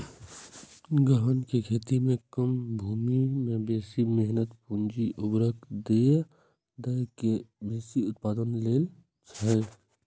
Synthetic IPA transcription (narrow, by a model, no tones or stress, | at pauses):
ɡəɦənkekʰeːt̪imẽkəmbʱuːmimẽbeːsimeɦnət̪pũnd͡ʒiʔʊbɾək̚d̪e | d̪əjkebeːsiʊt̪̚paːd̪ənleːl | t͡ʃʰə